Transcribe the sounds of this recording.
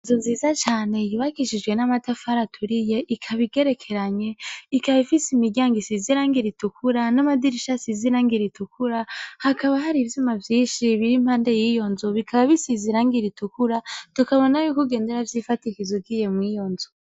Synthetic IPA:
zoziːzat͡ʃaːne̞jiβakiʃid͡ʒɡwe̞namatafaɾatʰuɾijeʔikʰaβiɡe̞ɾe̞kʰe̞ɾaɲe̞ikaβifisimiɡɟaːŋɡisiziɾaːŋɡiɾitukʰuɾanamadiɾiʃasiziɾaːŋɡiɾitukuɾahakaβaɦaɾivjumavjiːnʃiβiɾim̥haːnde̞jijo̞nzoβikʰaβaβisiziɾaːŋɡiɾitukuɾatukaβo̞najukuɡeːnde̞ɾavjifatikizoɡijemwijo̞nzo

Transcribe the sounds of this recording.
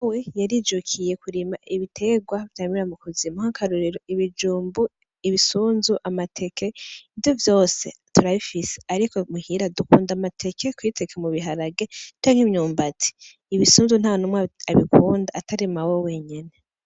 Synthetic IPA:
wejaɾiːd͡ʒukʰije̞kuɾimaʔiβitʰe̞ɡwaβi̥tamiɾamukuzimahakʰaɾuɾiɾoiβid͡ʒuːmbu | iβisuːnzuʔamatʰe̞kʰe̞ivjo̞vjo̞ːse̞tuɾaβifise̥aɾikʰo̞muhiɾadukuːndamatʰe̞kʰe̞kwiːtʰe̞kʰemuβiɦaɾaɡe̞t͡ʃaːŋ̥himɲuːmbatʰi̥ː | βisuːnzun̥aːwonumŋaβikʰuːndaːtʰaɾimawewe̞ɲene̞

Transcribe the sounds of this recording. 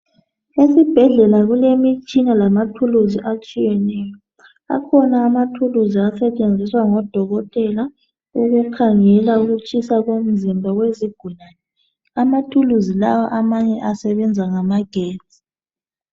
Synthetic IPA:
esib̥ʱɛɮɛlaɣulemit͡ʃʼinalamatʰuluziʔat͡ʃʼijɛnɛːjɔ | a̰kʰɔnaːmatʰuluziasɛt͡ʃʼend͡zʱiswaŋɔd̥ʱɔɣɔtʼɛla | uɣukʰaŋɛlauɣut͡ʃʼisaɣom̩zimbʱaɣweziɡ̥ʱunaːnɛ | amatʰuluzilawaʔamaɲɛʔasɛβɛnd͡zʱaŋamaɡ̥ʱeːtʼi̥

